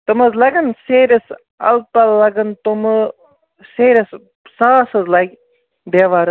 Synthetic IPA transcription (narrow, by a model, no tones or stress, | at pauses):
t̪ɨmɐzlɐɡɐnseːɾɐs | ɐ̰lpɐllɐɡɐnt̪umɨ | seːɾʲis | saːsɐzlajk | d̪eːʋaːɾɨ